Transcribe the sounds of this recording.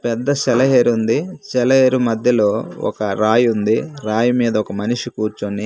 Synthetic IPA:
pɛd̪ːɐsɛlɐɦeːɾund̪it͡ʃɛlɐɦeːɾumɐd̪ʱjɐloːɔ̰kɐɾaːjund̪iɾaːjumiːd̪ɐɔkɐmɐniʂikuːɾt͡ʃoni

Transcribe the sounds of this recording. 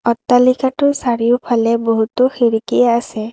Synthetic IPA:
ɔt̪ːalikatusaɾijupʰalɛbɔɦut̪ɔxiɾikijaːsɛ

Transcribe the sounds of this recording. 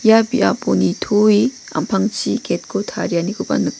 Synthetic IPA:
jabiʔa̰ponitʰoi | ɐ̰mpʰaŋt͡ʃiket̚kʰotʰaɾjanikupa̰nɯ

